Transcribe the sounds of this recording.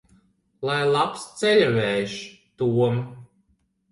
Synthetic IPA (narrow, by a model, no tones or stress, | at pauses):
lˠajlˠapst̪sɛlʲavɛjʃ | t̪uɔm